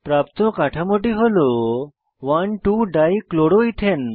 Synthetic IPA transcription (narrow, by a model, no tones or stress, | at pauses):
pɾapt̪ɔ̃kaʈʰãmoʈ̬iɦolo | ʋanʈuɖajikloɽoit̪ʰen